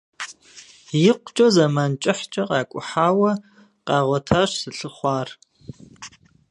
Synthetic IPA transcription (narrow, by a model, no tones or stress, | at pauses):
jɪqʷt͡ʃʼɐzɐmaːnt͡ʃʼɪħt͡ʃʼɐqʼɑːkʷʼʊħaːwɐ | qɑːʁʷɔtʰaɕsɨɬɨχʷɑːr